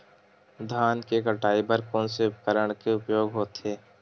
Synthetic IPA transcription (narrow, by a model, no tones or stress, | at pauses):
d̪ʱaːnkekəʈaːibɐɾkɔːnseʊpkəɾəɽ̃keʊpjoːɡɦoːt̪eː